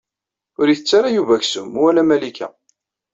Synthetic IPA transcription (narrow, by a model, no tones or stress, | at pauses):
ʊɾjiθət͡sːaɾajuvæçsʊmwælæmælikʰæ̰